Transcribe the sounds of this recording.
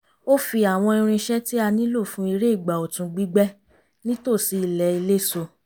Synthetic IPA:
o˦fi˧a˨w̃ɔ̃˧i˧ɾ̃ĩ˧ʃɛ˦ti˦a˧nĩ˦lo˦˨fũ˦i˧ɾe˦i˦˨ɡ͡ba˨o˨tũ˧ɡ͡bi˦ɡ͡bɛ˦ | nĩ˦to˦˨si˨˧i˨lɛ˨˦i˧le˦˨so˧

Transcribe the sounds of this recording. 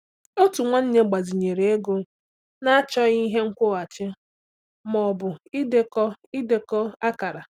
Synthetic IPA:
o˦tu˨ŋʷa˦n̩˦ɲe˦ɡ͡ba˨zi˨ɲe˨ɾe˨˦e˦ɡo˦ | na˦a˦t͡ʃɔ˦i˦ɦe˦ŋ̩˦kʷʊ˦a˨t͡ʃɪ˦ | mɔ˨bʊ˨i˦de˦kɔ˦i˦de˨kɔ˦a˦ka˨ɾa˨

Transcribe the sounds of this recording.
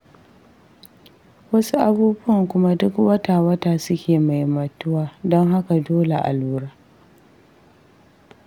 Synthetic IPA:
wɐ˦su˦ʔa˦buː˦bʊ˦ɐ˨ŋkʷʊ˦ma˦dʊ˦kwɐ˦taː˨wɐ˦taː˨sʊ˦kʲeː˨ma˨jmɐ˨tʊ˦waː˨dɔ˦ŋɦa˦ka˨doː˦le˨ʔa̰˨luː˦ɾaː˦

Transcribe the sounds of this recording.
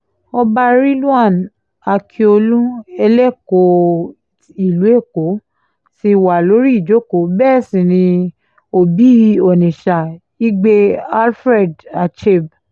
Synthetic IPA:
ɔ˧ba˧ɾi˦lu˦a˦˨n | a˧kʰi˧o˧lũ˦ɛ˧lɛ˦˨ko˧˦ | i˨lu˨˦e˦˨ko˨˦ | ti˧wa˨lo˨˦ɾi˦i˦˨d͡ʒo˦ko˨˦bɛ˦˨sĩ˨nĩ˧ | o˧bi˦ɔ˨nĩ˨ʃa˨ | i˦ɡ͡be˧a˦lfɾɛ˦˨da˧t͡ʃe˦˨b̚

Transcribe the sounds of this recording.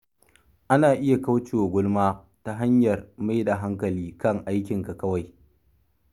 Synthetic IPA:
ʔa˦naː˨ʔɪ˦ja˨ka˦wt͡ʃeː˨wa˨ɡʷʊ˦lmaː˦ | ta˦ɦa˦ɲjɐ˨rma˦jda˨ɦa˦ŋkɐ˨liː˦kɐ˦ŋʔa˦jkʲɪ˨ŋka˨kɐ˦wa˨j

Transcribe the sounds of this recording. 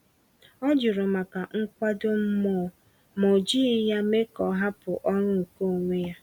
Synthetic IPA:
ɔ˦d͡ʒʊ˨ɾʊ˨ma˨ka˨ŋ̩˦kʷa˦dʊ˦m̩˦mɔ˨ | mo˨d͡ʒi˦ja˦me˦kɔ˨ɦa˦pʊ˨ʔɔ˦nʊ˦ŋ̩˨ko˦˨ŋʷe˦ja˦

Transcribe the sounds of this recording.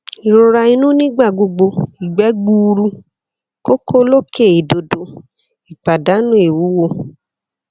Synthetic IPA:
i˨ɾõ˨ɾa˧i˧nũ˦nĩ˦ɡ͡ba˦˨ɡ͡bo˧ɡ͡bo˧i˨ɡ͡bɛ˨˦ɡ͡bu˧ɾu˧ | ko˦ko˦lo˦kʰe˦˨i˨do˧do˧ | i˨k͡pa˨da˨˦nũ˦e˨wu˨˦wo˧

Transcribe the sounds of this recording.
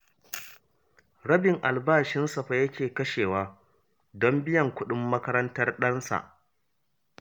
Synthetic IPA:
ɽɐ˦bɪ˨ŋʔa˨lbaː˦˨ʃɪ˦nsɐ˨ɸa˨jɐ˦kʲeː˨kɐ˦ʃeː˨waː˦ | dɔ˦mbɪ˦jɐ˨ŋkʷʊ˦ɗɪ˦mːɐ˦kɐ˦ɾɐ˦ntɐ˦rɗɐ˦nsa̰˨ʔ

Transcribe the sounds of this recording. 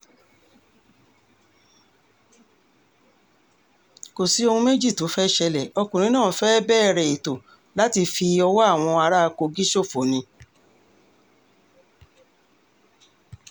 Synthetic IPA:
ko˨si˨˦o˧hũ˧me˦d͡ʒi˦˨to˨˦fɛ˦ʃɛ˧lɛ˨ɔ˧kũ˨ĩ˨˦nãː˦˨fɛ˦bɛ˦˨ɾɛ˨i˨to˨ | la˨˦ti˧fi˧ɔ˧wɔ˦a˦˨w̃ɔ̃˧a˧ɾa˦˧ko˧ɡi˦ʃo˦˨fo˨nĩ˧

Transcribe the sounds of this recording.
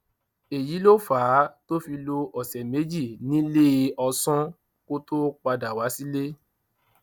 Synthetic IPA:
e˨ji˨˦lo˦faː˨˦to˦fi˧lo˧ʔɔ˨sɛ˨me˨˦d͡ʒi˦˨nĩ˦le˦˧ɔ˧sɔ̃˦ | ko˦to˦k͡pa˧da˨wa˨˦si˦le˦

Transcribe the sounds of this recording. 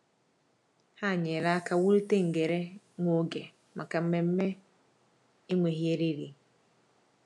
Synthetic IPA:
ha˦˨ɲe˨ɾa˦ka˨wu˦ɾi˦te˦ŋ̩˨ɡe˨ɾe˦ | ŋʷo˦ɡe˨ | ma˨ka˨m̩˦me˨m̩˦me˦ | i˦ŋʷe˨ɦje˦ɾi˦ɾi˨

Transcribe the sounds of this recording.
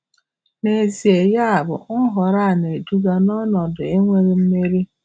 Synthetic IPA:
ne˨zi˨e˨ja˦a˨bʊ̰˨ʊ˦ɦɔ˨ɾa˦a˨ne˨du˦ɡa˦nɔ˦nɔ˨dʊ˨e˦ŋʷe˦ɾe˦m̩˦me˦ɾi˦

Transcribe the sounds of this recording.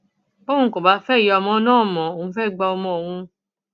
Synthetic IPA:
bo˦ũ˧˦ko˨ba˨˦fɛ˦˨jɔ˧mɔ̃˧˦nãː˦˨mɔ̃˨o˨ũ˧fɛ˦˨ɡ͡ba˧ɔ˧mɔ̃˧o˨hũ˧

